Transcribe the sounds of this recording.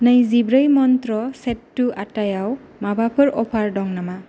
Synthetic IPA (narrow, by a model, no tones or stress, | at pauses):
nɯjzibɾɯjmɔntɾɔsetːuʔatajaw | mabapʰɯɾɔpʰaɹdɔŋnama